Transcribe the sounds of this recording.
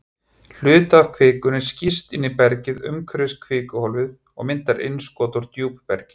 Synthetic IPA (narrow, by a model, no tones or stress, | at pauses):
l̥ʏːt̪akʰvɪːkʏnɛɾ̥scist̪ɪnːipɛɾcɪðʏ̰mkʰɾʏskʰvɪːkʏhɔlvɪð | ɔ̰ɣmɪnt̪aɾʔḛjnskɔːt̪ʊɾ̥t̪juːppɛ̰ɾcɪ̥